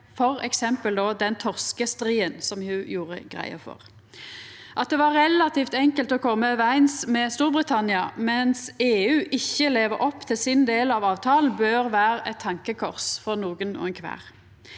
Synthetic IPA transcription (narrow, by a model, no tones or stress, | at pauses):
fɔʁɛ̰ksɛmpəld̪oːd̪ɛnt̪ʰɔʁskəst̪ʁiːənsɔmhʉjuːʁə̰ɡʁæ̰ɪə̰fɔ̰ʁ | ʔɑt̪̚d̪ɛʋɑʁɛlɑt̪ʰiːft̪ɛŋkəlt̪ɔkʰɔmːəʋæɪnsmɛst̪uːʁbʁɪt̪ʰɑnɪɑmɛnseːʉːʔɪçːəleːʋəɾɔpːt̪ʰɪlsɪnd̪eːlɑʋɑːʋt̪ʰɑːln̩bøːʁʋæːɾəɛt̪ʰːɑŋkəkʰɔʁsfɔʁnuːɡənɔ̰ɛnkʰʋæ̰ːʁ